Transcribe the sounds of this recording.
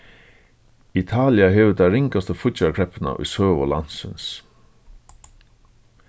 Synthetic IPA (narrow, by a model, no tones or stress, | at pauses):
ɪt̪ʰɑːlɪɑɦeːʋəd̪æɪɾɪŋkast̪əfʊtɑkʰɾɛpʰənə̰ʔḭːsøːʋɔlɑ̰nsə̰ns